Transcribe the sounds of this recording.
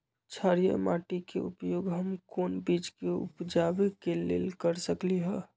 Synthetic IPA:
t͡ʃʰaɾijə̰maʈikḛupjoɡɦəmkonbit͡ʃkeṵpd͡ʒabekelḛlkəɾsəkliɦə

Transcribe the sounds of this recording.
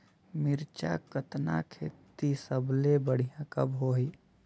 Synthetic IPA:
miɾt͡ʃa̰kət̪na̰kʰḛt̪isəblebəɽ̤ijãkə̰bɦoɦi

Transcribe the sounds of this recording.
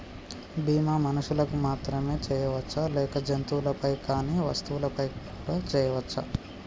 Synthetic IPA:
biːmaːmɐnuʃulɐkumaːt̪ɾɐme̞ːt͡ʃɛːjɐʋɐt͡ʃːɐlɛːkɐd͡ʒɐnt̪uwulɐpɐjkaːniːʋɐst̪uwulɐpɐjkuːɽaːt͡ʃɛːjɐʋɐt͡ʃːɐ

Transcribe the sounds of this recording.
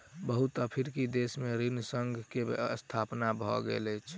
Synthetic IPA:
bəɦut̪əpʰiɾkid̪esmẽɾinsəŋɡʱkḛə̰st̪ʰapnabʱɔ̰ɡḛlɛt͡ʃʰ

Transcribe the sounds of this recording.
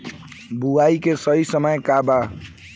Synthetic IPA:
buaikesəɦisəməjkaba

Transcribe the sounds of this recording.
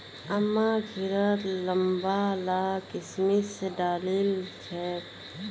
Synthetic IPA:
əmːaɡʱɪɾəɾləmbalakɪsmisedaːlilt͡ʃʰɛ

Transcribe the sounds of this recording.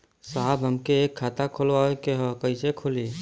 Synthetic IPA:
saːbʱɦəmkeekʰːaːt̪akʰolaekeɦɔkəɪsekʰʊli

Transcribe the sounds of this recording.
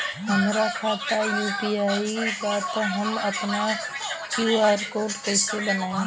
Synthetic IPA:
ɦə̃ŋɡɾakʰaːt̪ajuːpiaːiɡaːt̪oɦəmɐpna | kjuːaːɾkoːɾʈkeːseɓənaːẽ

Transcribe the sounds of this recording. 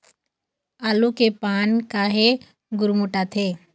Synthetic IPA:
aːlukepaːnkaɦe | ɡʊɾmuʈat̪ʰeː

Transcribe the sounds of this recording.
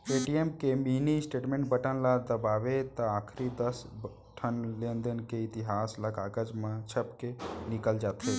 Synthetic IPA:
eʈiemkeminisʈeːʈmẽɳʈ̚bəʈə̃nlad̪əbaːʋet̪ɔaːkʰɾid̪əsb | ʈʰənlẽnd̪ənkeɪt̪iɦaːsləkaːɡəd͡ʒmãt͡ʃʰəpkenɪkəld͡ʒaːt̪ʰe

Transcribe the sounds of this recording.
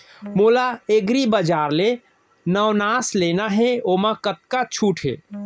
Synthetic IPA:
mulaeɡɾibəd͡ʒaɾle | nəwnaslenaɦeomakət̪̚kat͡ʃʰuʈʰɦḛ

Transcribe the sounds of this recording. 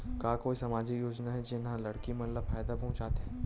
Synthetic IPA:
kaːkoːisɐmaːd͡ʒikjoːd͡ʒnaɦɛd͡ʒɪnɦãlɐɽkimɐt̪ləfaːjd̪apɐɦʊ̃t͡ʃaːt̪eɦɛː

